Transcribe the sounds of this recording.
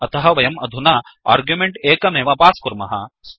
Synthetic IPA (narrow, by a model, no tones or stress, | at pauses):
ɐt̪ʰɐɦɐʋɐjɐmɐd̪ʱunɐa̰ːɾɡjumeɳʈeːkɐmeːʋɐpaːskuɾmɐɦɐs